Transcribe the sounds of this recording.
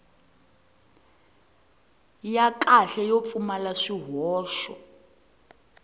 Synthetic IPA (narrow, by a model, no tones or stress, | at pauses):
jakʼaɬɛjop̪fumalaʂiɦɔːʃɔ̰